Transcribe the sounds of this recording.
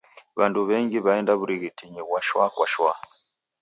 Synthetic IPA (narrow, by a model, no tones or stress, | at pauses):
βanduβɛŋɡiβaɛndaβuɾiɣitiɲɛβwaʃwa̰kwaʃwa